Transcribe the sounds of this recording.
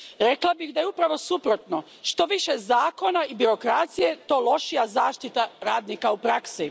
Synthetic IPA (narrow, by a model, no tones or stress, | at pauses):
ɾe̞klˠabixd̪aje̞upɾaʋo̞supɾo̞t̪no̞ | ʃt̪o̞ʋiʃe̞zaːko̞naibiɾo̞kɾat̪sije̞t̪o̞ːlo̞ʃijazaːʃt̪it̪aɾaːd̪nikaupɾaksi